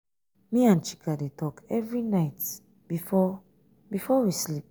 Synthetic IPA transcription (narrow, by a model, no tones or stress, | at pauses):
mĩãnt͡ʃi̥kʰadetʰɔkɛvɹinaɪt | bifɔ | bifɔwislip̚